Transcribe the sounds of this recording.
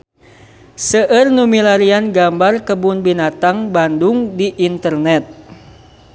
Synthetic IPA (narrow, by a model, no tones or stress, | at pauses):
səʔərnumilaɾianɡambarkəbunbinat̪aŋbanduŋdiʔːnt̪ərnɛt̪̚